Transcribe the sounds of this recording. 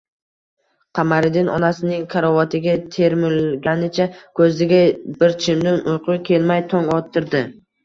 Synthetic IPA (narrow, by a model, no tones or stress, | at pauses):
qʰamaɾɪd̪ɪnɒ̰nasɪnɪŋkʰaɾɒvɒt̪ʰɪɡʲat̪ʰe̞ɾmɪlˠɡʲanɪt͡ʃʰakʰɵzɪɡʲabɪɾt͡ʃʰɪmd̪ɪnʊjqʰʊkʲʰe̞lmajt̪ʰɒŋɒt̪ʰːɪɾd̪ɪ